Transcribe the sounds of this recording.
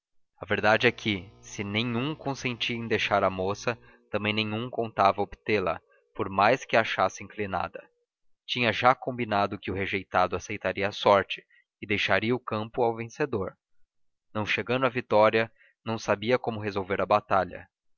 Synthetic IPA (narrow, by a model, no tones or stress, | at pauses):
ɐveɾd̪ad͡ʒɪɛkʰɪsɪnẽɲũkõsẽnt͡ʃiẽj̃d̪ejʃaɾɐmosɐ | t̪ɐ̃mbẽj̃nẽɲ̃ũkõnt̪avɐobit̪elɐ̰ | poɾmajskɪaʃasɪĩŋklina̰d̪ɐ | t͡ʃĩɲɐʒakõmbinad̪ʊkɪʊɦeʒejt̪ad̪ʊasejt̪aɾiɐːsɔɾt͡ʃɪ̥ | ɪd̪ejʃaɾiɐʊkɐ̃mpʊawvẽsed̪oɾ | nɐ̃w̃ʃeɡɐ̃nd̪ʊavit̪ɔɾiɐ | nɐ̃w̃sabiɐkõmʊɦezowveɾɐbat̪aʎɐ̰